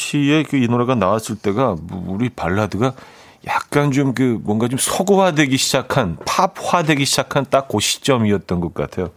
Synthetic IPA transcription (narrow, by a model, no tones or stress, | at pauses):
ɕʰie̞kɯinoɾeɡanawas͈ɯɭt͈e̞ɡamuɾipaɭːadɯɡa | jak̚k͈ant͡ɕomkɯmwʌnɡat͡ɕomsʰʌɡowadwe̞ɡiɕʰid͡ʑakʰanpʰaphwadwe̞ɡiɕʰid͡ʑakʰant͈ak̚k͈oɕʰi̥t͡ɕ͈ʌmiʌt̚t͈ʌnɡʌk̚k͈a̰tʰe̞jo